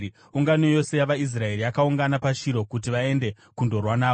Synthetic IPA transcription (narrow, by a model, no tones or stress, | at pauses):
uŋɡano̞jo̞se̞jaʋais̬rae̞ɾiakauŋɡanapaʃiɾo̞kut̬iʋae̞nde̞ | kundo̞rwanaːo